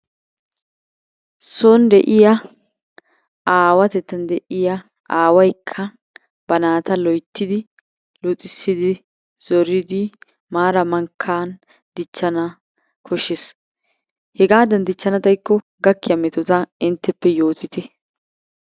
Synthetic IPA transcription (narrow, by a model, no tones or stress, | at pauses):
sond̪ɛ̰ʔɪjɐ | aːwɐt̪ɛt̪ːɐnd̪ɛʔɪjɐ | ʔaːwɐjkʰːɐ | b̥ɐnaːt̪ɐlɔjt̪ːɪd̪ɪ | lʊt͡sʼɪsːɪd̪ɪ | z̥ɔɾɪd̪ɪ | maːɾɐmɐŋkʰːaːn | d̪ɪt͡ʃːɐnɐ | kʰɔʃːɪs | hɛɡaːd̪ɐnd̪ɪt͡ʃːɐnɐt̪ɐjkːɔ | ɡɐkːɪjɐmɛt̪ɔt̪ɐɪnt̪ːɛpːɛjo̞ːt̪ɪt̪ɛ